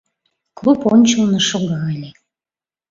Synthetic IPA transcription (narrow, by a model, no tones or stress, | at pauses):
klˠuponʲt͡ɕəlnəʃoɣɑlʲe